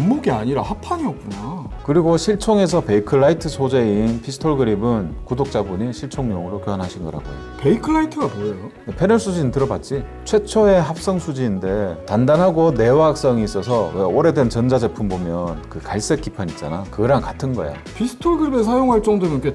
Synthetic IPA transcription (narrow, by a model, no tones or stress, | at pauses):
mmːoɡiaɲiɾahapʰaɲiʌk̚k͈unakɯɾiɡoɕʰiɭt͡ɕʰoŋe̞s̬ʰʌpe̞ikʰɯɭːaitʰɯsʰod͡ʑe̞inpʰisʰɯ̥tʰoɭɡɯɾibɯnkudok̚t͡ɕ͈abuɲiɕʰiɭt͡ɕʰoŋɲoŋɯɾokjoɦanɦaɕʰinɡʌɾɦa̰ɡo̰jope̞ikʰɯɾaitʰɯɡaboejo | epʰe̞nɯɭs͈ud͡ʑinintɯɾʌbat̚t͡ɕ͈i | t͡ɕʰwe̞t͡ɕʰoe̞ɦap̚s͈ʌŋsʰud͡ʑiːnde̞tandanɦaɡone̞waak̚s͈ʌŋiːs͈ʌsʰʌwe̞oɾe̞dwe̞nt͡ɕʌnd͡ʑad͡ʑe̞pʰumbomjʌnkɯkaɭs͈ek͈ipʰaɲit͡ɕ͈a̰nakɯɾankatʰɯnɡʌḛjo̰ | pʰisʰɯ̥tʰoɭɡɯɾibesʰajoŋɦaɭt͡ɕ͈ʌŋdoɡke